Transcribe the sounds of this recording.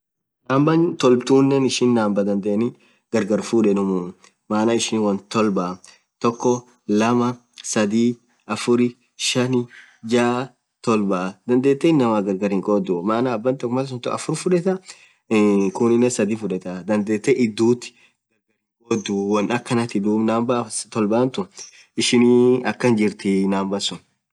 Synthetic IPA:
naːmbɐnt̪ɔlbt̪uːnːɛnɪʃɪnːaːmbɐd̪ɐnd̪eːnɪ | ɡ̥ɐɾɡɐɾfuᶑɛnʊmʊ | maːnaɪʃɪnwɐnt̪ɔlbɐ | t̪ɔkːɔ | lɐmɐ | sɐd̪iː | ʔɐfʊɾɪ | ʃɐnɪ | d͡ʒaː | t̪ɔlbad̪ɐnd̪eːt̪ːɛɪnːɐmaɡɐɾɡɐɾɪŋkʼɔːd̪umaːnaːbːɐnt̪ɔkːmɐls̬ʊnt̪ʊɐfʊɾfʊᶑɛt̪ɐ | kʊnɪnːɛsɐd̪iːfʊᶑɛt̪ɐd̪ɐnd̪eːt̪ːɛʔɪd̪ːuːt̪ːɪ̥ | ɡ̥ɐɾɡɐɾɪŋkʼoːd̪ːuwɐnɐkːɐnɐt̪ɪd̪uːmnaːmbɐt̪ɔlbaːnt̪ʊ | ʔɪʃɪniːɐkːɐnd͡ʒɪɾt̪ɪnaːmbɐsʊn

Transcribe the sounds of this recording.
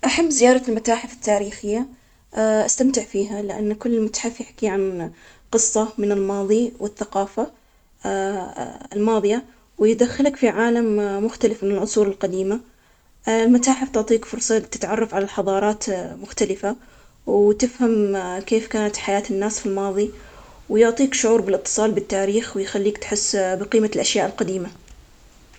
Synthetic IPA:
ʔaħamːzɪjɑːɾˤɑlmat̪aːħɪfɪ̥t̪ːaːɾiːxɪjːa | ʔast̪amt̪ɪʕfiːɦalɪʔa̰nːkʊlːɪlmat̪ḁħɪfjɪħkiʕan | qɨsˤːɑmɪnɪlmɑːðˤiwɪθːaqɑːfa | ɪlmɑːðˤɨja | wjd̪axːɪlakfiʕaːlamːʊxt̪alɪfmɪnɪlʕʊsˤuːɾɪlqad̪iːma | lmʊt̪aːħɪft̪ʊʕt̪ˤiːkfʊɾsˤɑt̪ɪ̥t̪ʕɑrˤːɑfʕalalħɑðˤɑːɾˤɑːt̪mʊxt̪alɪfa | wt̪ɪfhamkeːfkaːnat̪ħajaːt̪ɪnːaːsfilmɑːðˤi | wjʊʕt̪ˤiːkʃʊʕuːɾbɪlʔɪt̪ːɨ̥sˤɑːlbɪt̪ːaːɾiːxwɪjxalːiːkt̪ħɪsːbɪqiːmalʔaʃjaːʔɪlqad̪iːma

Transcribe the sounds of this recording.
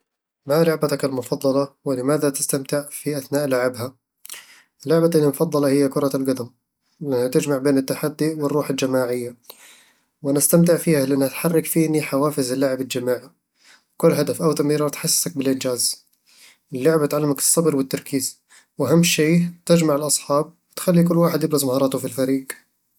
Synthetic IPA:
malʊʕbat̪akalmʊfɑd̪ˤːɑlɑwɪlɪmaːðat̪ɪ̥st̪amt̪ɪʕfiʔaθnaːʔlʊʕɪbha | lːʊʕbaalmʊfɑd̪ˤːɑlɑhɪjːakʊɾˤɑlɡad̪am | lɪʔɪnːat̪ɪd͡ʒmaʕbeːnɪt̪ːaħad̪ːiʔwɪrːuːħɪld͡ʒamaːʕɪjːa | wʔanast̪amt̪ɪʕfiːhalɪʔanːat̪ħɑrˤːɑkfiːniħawaːfɪzɪlːaʕɪbɪld͡ʒamaːʕi | wkʊlːɦad̪afʔawt̪ɑmiːɾˤɑt̪ħasːsak̚bɪlʔɪnd͡ʒaːz | ɪlːʊʕbat̪ʕalːɪmakɨ̥sˤːɑbɾwɪt̪ːɑɾˤkiːz | wʔaɦamːʃeːt̪ɪd͡ʒmaʕɪlʔɑsˤħɑːb̚wɪt̪xalːikʊlːwaːħɪd̪jɪbɾɑzˤmahɑːɾˤɑːt̪ʊfilfaɾiːɡ

